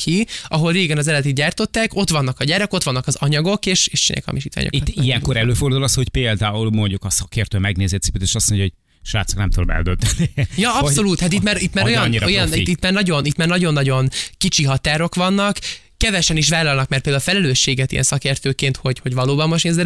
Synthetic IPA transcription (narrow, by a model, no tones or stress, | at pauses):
kʰiɒɦo̞lreːɡɛnɒzɛlɛt̪it̪ɟaːrt̪o̞t̪ːaːko̞t̪ʋɒnːɒkɒɟaːɾɛko̞t̪ʋɒnːɒkɒzɒɲɒɡo̞keːʃeːʃt͡ʃinḛkɒ̰miʃiːt̪ʋa̰ːɲo̰it̪ːijɛŋko̞ɾɛløːfo̞rd̪uːlɒsho̞cpeːld̪aːulmo̞ɲɟukɒsɒkeːrt̪øːmɛɡneːzeːt̪si̥pyt̪eːʃɒsmoɲɟɦoɟ̥̚ | ʃʋa̰ːt̪soknɛmt̪ulbɛ̰ld̪ønt̪ɛnijɒɒpso̞luːt̪hat̪it̪maːɾit̪ːmaːojɒnɲːiɾojɒniit̪maːrnɒɟo̞nit̪maːrnɒɟo̞nːɒɟo̞nkit͡ʃiɦɒt̪aːɾo̞kʋɒnːɒkː | ɛvɛʃɛniʃ̬ʋaːlɒlnɒk̚mɛrt̪peːld̪aulfɛlɛløːʃːeːɡɛt̪ijɛ̰nsɒkeːrt̪øːkeːnt̪ho̞ɟho̞ɟʋɒloːbɒmːoʃneːzɛ